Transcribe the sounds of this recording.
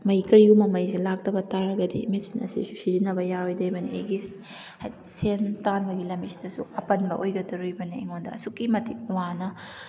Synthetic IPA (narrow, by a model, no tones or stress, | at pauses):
mɐjkɐɾiumɐmɐjselak̚tɐbɐtaɾɐɡɐdḭmesinɐ̰sḭsusiɾinɐbɐjaɾojdɐjbɐniḛɡis | haj | sentanbɐɡilɐmisi̥d̥ɐsuɐpɐnbɐʔojɡɐdɐɾujbɐnieŋondɐ̰ɐsukːimɐtʰiwanɐ